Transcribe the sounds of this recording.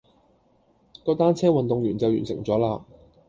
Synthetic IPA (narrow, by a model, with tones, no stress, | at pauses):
k̪ɔ˧wt̪aː˥nt͡sʰɛː˥wɐ˨nt̪ʊ˨ŋjyː˨˩nt͡sɐ˨wjy̰ː˨˩nsɪ̰˨˩ŋt͡sɔː˨˥laː˧